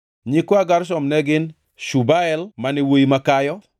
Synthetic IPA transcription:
ɲɪkɔaɡaɾʃɔmnɛɡɪn | ʃubaɛlmanɪwojimakajɔ

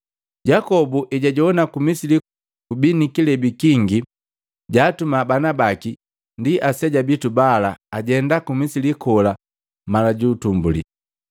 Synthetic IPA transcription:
ɟakɔbuʔɛɟaɟɔɔnakumisili | kubinikilɛbikiŋɡi | ɟaːtumabanabaki | ndiʔasɛɟabitubalaːɟɛndakumisilikɔla | malaɟuːtumbulḭ

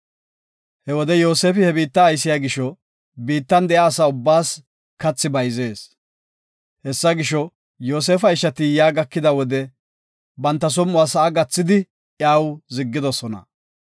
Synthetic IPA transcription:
hɛwɔd̪ɛjoːseːfɪhɛbiːt̪ːɐːjsɪjaɡɪʃɔ | biːt̪ːɐnd̪ɛjaːsaʊbːaːs | kɐt͡sːɪbɐjze̞ːs | hɛsːɐɡɪʃɔ | jo̞ːs̬eːfɐɪʃːɐt̪ɪjaːɡɐkːɪd̪ɐwɔd̪ɛ | bɐnt̪ːɐs̬ɔmʊaːsɐʔːɡɐt͡sːɪd̪ɪ | jaːwzɪɡːɪd̪ɔsɔnɐ̰

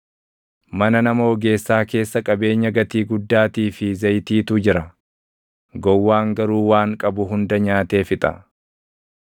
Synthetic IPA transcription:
mɐnɐnɐmo̞ːɡe̞ːsːaːke̞ːsːɐkʼɐbe̞ːɲːɐɡɐt̪iːɡʊd̪ːaːt̪iːfɪzɐjt̪iːt̪ʊd͡ʒɪɾɐ | ɡɔwːaːŋɡɐɾuːwaːŋkʼɐbʊɦʊnd̪ɐɲaːt̪e̞ːfɪt̪ʼɐ̰

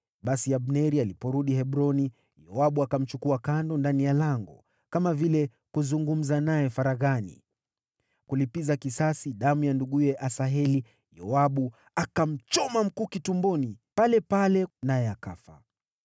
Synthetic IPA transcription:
ɓasiaɓnɛɾialipɔɾuɗiɦɛɓɾɔni | jɔaɓuakam̩t͡ʃukuakandɔndanijalaŋɡɔ | kamavilɛ | kuzuŋɡum̩zanajɛfaɾaɣanḭ | kulipizakisasiɗamujanduɠujɛʔasaɦɛli | jɔaɓu | akam̩t͡ʃɔmam̩kuːkitumbɔnipalɛpalɛnajɛakafa̰

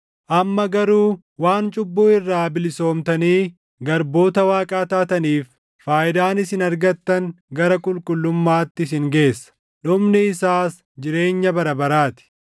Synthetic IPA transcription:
ʔɐmːɐɡɐɾuː | waːnt͡ʃʼʊbːuːɪrːaːbɪlɪso̞ːmt̪ɐniː | ɡɐɾbo̞ːt̪ɐwaːkʼaːt̪aːt̪ɐniːfː | aːʔɪd̪aːnɪsɪnɐɾɡɐt̪ːɐŋɡɐɾɐkʼʊlkʼʊlːʊmːaːt̪ːɪs̬ɪŋɡe̞ːsːɐ̥ | ᶑʊmnɪɪsaːs | d͡ʒɪɾe̞ːɲːɐbɐɾɐbɐɾaːt̪ɪ̥

